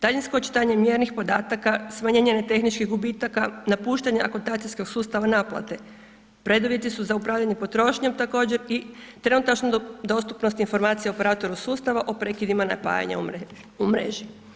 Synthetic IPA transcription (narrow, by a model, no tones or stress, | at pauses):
d̪aʎinsko̞t͡ʃi̥t̪aɲe̞mje̞ɾnixpo̞d̪aːt̪akasmaɲeɲenet̪e̞xnit͡ʃkiɣɡubiːt̪akanapuːʃt̪aɲeʔakot̪aːt̪sisko̞ɡsuːst̪aʋanaplˠa̰t̪e̞ | pɾe̞d̪uʋjet̪isuzaupɾaːʋʎaɲe̞po̞t̪ɾo̞ʃɲemt̪ako̞ːd͡ʑe̞ɾit̪ɾe̞nut̪at͡ʃnod̪o̞st̪upno̞st̪info̞ɾmaːt̪sijeopeɾaːt̪o̞ɾusuːst̪aʋaʔopɾe̞kid̪imana̰pa̰ːja̰ɲa̰ | umɾḛːʒi